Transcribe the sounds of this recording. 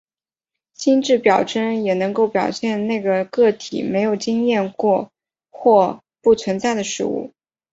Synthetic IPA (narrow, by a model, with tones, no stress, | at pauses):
ɕi˥nʈ͡ʂɻ̩˥˩pjɑ˨˩ʊʈ͡ʂə˥njɛ˨˩nɤ˧˥ŋko˥˩ʊpjɑ˨˩ʊɕjɛ˥˧nne˥˩ɪɡə˩kɤ˥˩t̪ʰḭ˨˩me˧˥ɪjo˨˩ʊt͡ɕi˥ŋjɛ˥˧nkwɔ˥˧ | xwɔ˥˧ | pu˥˩t͡sʰwə˧˥nt͡sa˥˩ɪd̪ə˩ʂɻ̩̰˥˧ṵ˥˩